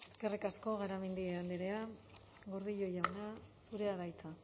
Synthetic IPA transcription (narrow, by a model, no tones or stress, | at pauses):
eske̞rikasko̞ɣaɾamend̪ieand̪iɾe̞a | ɣo̞ɾðiʎo̞jawnasuɾe̞aðajt͡sa